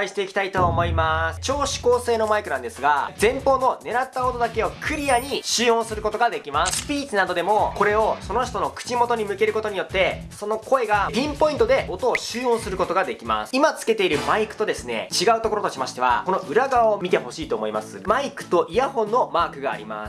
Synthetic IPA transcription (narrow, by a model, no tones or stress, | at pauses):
aiɕi̥t̪eikʲt̪ait̪o̞ːmo̞imasɨ̥t͡ɕo̞ːɕi̥ko̞ːse̞ːno̞maikɯ̟nãnd̪e̞sɨɡad͡zẽ̞mpo̞ːno̞ne̞ɾat̪ːaot̪o̞d̪ake̞o̞kʰɯ̟ɾʲiaɲ̟iɕɨːõ̞ɰ̃sɨɾɯ̟ko̞t̪o̞ɡad̪e̞kʲimaspʲiːt͡sɨnad̪o̞d̪e̞mo̞ko̞ɾe̞o̞so̞no̞ç̬i̥t̪o̞nokɯ̥t͡ɕimo̞t̪o̞ɲ̟imɯ̟ke̞ɾɯ̟ko̞t̪o̞ɲ̟ijo̞t̪ːe̞so̞no̞kʰo̞e̞ɡapʲĩmpo̞ĩnt̪o̞d̪e̞ʔo̞t̪o̞ːɕɨːõɰ̃sɨɾɯ̟ko̞t̪o̞ɡad̪e̞kʲima̰sɨ̥imat͡sɨ̥ke̞t̪e̞iɾɯ̟maikɯ̟̥t̪o̞d̪e̞sɨne̞̰t͡ɕiɡaɯ̟t̪oko̞ɾot̪oɕimaɕi̥t̪e̞a̰ko̞no̞ʔɯ̟ɾaɡaaomʲit̪e̞ho̞ɕiːt̪o̞ːmo̞ima̰sɨmaikɯ̟̥t̪o̞ʔijahõ̞nːo̞maːkɯ̟ɡa̰ːɾʲḭma̰s